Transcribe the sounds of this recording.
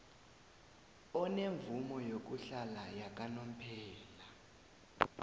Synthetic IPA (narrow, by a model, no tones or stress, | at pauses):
ɔneɱvumɔjok̬uɬalajak̬ʼanom̩pʰɛːla